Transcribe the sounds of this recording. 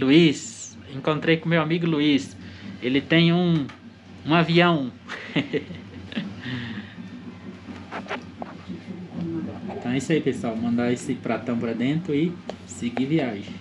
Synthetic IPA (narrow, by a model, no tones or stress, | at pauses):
luis | ẽŋkõnt̪ɾejkõmewamiɡʊluiselɪt̪ẽj̃ũ | ũaviɐ̃w̃ | ẽt̪ɐ̃w̃isaipesuawmɐ̃nd̪aesɪpɾat̪ɐ̃w̃pɾɐd̪ẽnt̪ɾʊɪseɡiviaʒẽ